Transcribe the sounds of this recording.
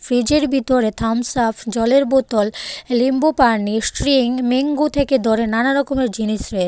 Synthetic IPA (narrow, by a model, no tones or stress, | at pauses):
fɾid͡ʑeɾbʱit̪oɾet̪ʰamsapʰd͡ʑɔleɾbot̪ollimbopaɾnisʈɾiŋmeŋɡut̪ʰeked̪ɔɾenanaɾɔkomeɾd͡ʑiniʃɾee